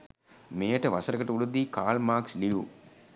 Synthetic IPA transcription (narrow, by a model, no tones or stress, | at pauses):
meːɐʈɐʋɐsɐɾɐɡɐʈɐuɽud̪ːikaːlmaːksliʋu